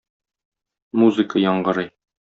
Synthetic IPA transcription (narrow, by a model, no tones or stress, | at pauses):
muzɨkəjɒɴɢɤ̆ɾɤj